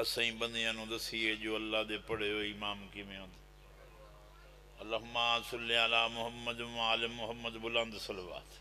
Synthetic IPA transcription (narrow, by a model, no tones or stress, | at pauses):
əsãĩːbənd̪ejãːnũːd̪əsiːeːd͡ʒoːəlːaːd̪eːpəɽeːɦoːiːmaːmkɪmẽːõnd̪ | əlːaːɦʊmːaːsəlːɪaːlaːmʊɦəmːəd̪aːlɪmːʊɦəmːəd̪bʊlə̃nd̪səlʋa̰ːt̪